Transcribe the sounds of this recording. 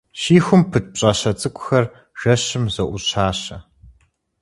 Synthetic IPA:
ɕiːxʷʊmpʰɨt̚ʼp̚ɕʼɐɕɐt͡sʼɨkʷʼʊxɐr | ʒ̥ɐɕɪmzɐʔʷʊɕʰaːɕɐ

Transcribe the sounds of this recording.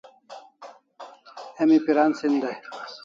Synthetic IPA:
emipiɾansind̪ɐ

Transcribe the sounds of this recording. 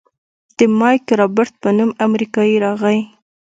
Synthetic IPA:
d̪̥əmɑjkɾɑbɪɾt̪̚pənumamɾikɑjiɾɑɣəj

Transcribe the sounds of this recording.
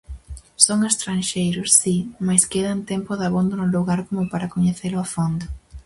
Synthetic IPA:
soŋest̪ɾanʃejɾʊsːimajskeðant̪ɛmpʊðaβond̪onʊluɣaɾkomʊpaɾakoɲeθelʊafond̪ʊ

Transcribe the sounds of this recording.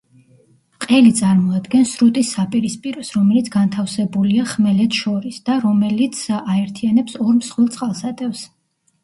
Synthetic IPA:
qʼɛlit̪sʼaɾmɔad̪ɡɛnsɾut̪ʼisːapʼiɾispʼiɾɔsɾɔmɛlit̪sʰɡant̪ʰafsɛbuliaχmɛlɛt̪ʰʃɔɾisd̪aɾɔmɛlit̪sʰaɛɾt̪ʰianɛpsɔɾmsχwɛlˠt̪sʼqʼalˠsat̪ʼɛfs

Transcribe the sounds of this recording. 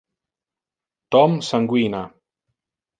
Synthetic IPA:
t̪ɔmsaŋɡwina

